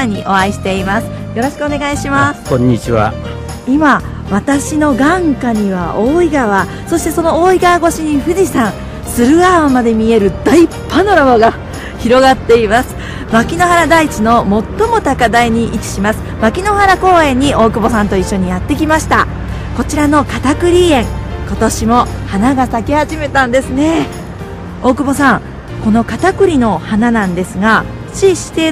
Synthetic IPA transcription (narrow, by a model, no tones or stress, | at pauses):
ɲ̟ːiʔo̞βaiɕi̥t̪e̞imasɨ̥ | jo̞ɾo̞ɕi̥kɯone̞ɡaiɕimasɨ̥kõɲ̟ːit͡ɕiβa̰ | ima | βat̪aɕino̞ɡãŋkaɲ̟iβao̞ːiɡaβa | so̞ɕi̥t̪e̞so̞no̞oːiɡaβaɡo̞ɕiɲ̟iɸɯ̟disãɰ̃ | sɨɾɯ̟aβamad̪e̞mʲie̞ɾɯ̟d̪ai | pːanoɾaboɡa | çiɾo̞ɡat̪ːe̞imasɨ̥ | makʲino̞ɦaɾad̪ait͡ɕino̞mo̞t̪ːo̞mo̞t̪akad̪aiɲ̟iʔikʲi̥ɕimasɨ̥makʲino̞haɾako̞ːẽ̞ɲ̟ːiʔo̞ːkɯ̟bo̞sãnt̪o̞iɕːo̞ɲ̟ijat̪ːe̞k̬ʲimaɕi̥t̪a | ko̞t͡ɕiɾano̞kat̪akɯ̟ɾʲiẽ̞ŋko̞t̪o̞ɕimo̞hanaɡasakehaʑime̞t̪ãnd̪e̞sɨne̞ | o̞ːkɯ̟bo̞sãŋ | ko̞no̞kat̪akɯ̟ɾʲino̞hananãnd̪e̞sɨɡa | t͡ɕiɕi̥t̪e